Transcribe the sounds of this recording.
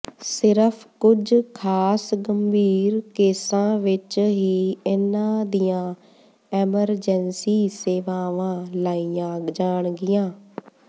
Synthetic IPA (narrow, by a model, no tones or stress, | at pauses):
sɪɾəpʰkʊd͡ʒkʰaːsɡəmbʱiːɾkeːsãːʋɪt͡ʃɦiːɪnãːd̪ijãː | ɛːməɾd͡ʒɛnsiːseːʋaːʋãːlaːijãːd͡ʒaːɳ̃ɡɪjãː